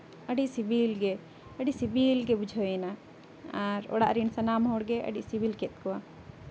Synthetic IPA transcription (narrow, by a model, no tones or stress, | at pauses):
əɖiʔsibilɡɛ | əɖisibilɡɛbud͡ʒʱona | aɾɔ̰ɽa̰ʔɾinsanamɦɔɽɡɛʔə̰ɖiʔsibilkɛt̪̚ˀkɔwa